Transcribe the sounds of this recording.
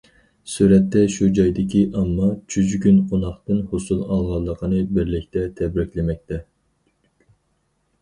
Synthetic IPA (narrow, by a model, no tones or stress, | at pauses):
suɾɛt̪ːɛʃud͡ʒɑjd̪ɪkʲiʔɑmːɑt͡ʃʰyzkʲynqʰonɑχt̪ɨnhosulˠɑlˠʁɑlˠːəqʰənɨbɪɾlɪkʲt̪ʰɛt̪ʰɛbɾɪkʲlɪmɛk̚ʲt̪ʰɛ